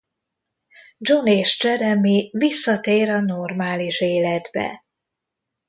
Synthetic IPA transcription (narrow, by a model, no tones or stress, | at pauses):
d͡ʒoneːʃd͡ʒɛɾɛmivisːɒt̪eːɾɒnormaːliʃeːlɛd̪bɛ̰